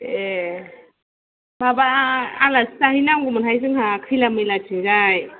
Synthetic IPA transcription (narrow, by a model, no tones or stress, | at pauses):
e | babaːlastahijnaŋɡumɯnɦajzɯŋɦakʰɯjlamɯjlatʰiɡaj